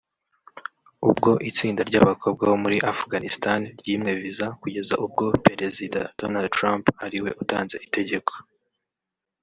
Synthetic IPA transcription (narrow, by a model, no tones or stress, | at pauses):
ubɡo̞ʔit͡siːndaɾɟaβakʰo̞b̚ɡaho̞muɾiʔafɡanistanɾɟiːmŋe̞vizakuɟe̞zaʔub̚ɡo̞pe̞ɾe̞zida̰d̥onald̚tɾamphaɾiwe̞ʔutaːnze̞̰ʔite̞ɟe̞kʰo̥